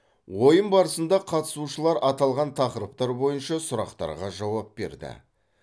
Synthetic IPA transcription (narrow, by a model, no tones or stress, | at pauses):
wo̞jəmbɑɾəsənd̪ɑqʰɑt̪ə̥suʃəlˠɑɾʔɑt̪ɑlˠʁɑnt̪ʰɑqəɾəp̚t̪ɑɾbo̞jənʃɑsʊɾɑqt̪ɑ̰ɾʁɑʒɑwɑp̚be̞̰ɾd̪ɪ̰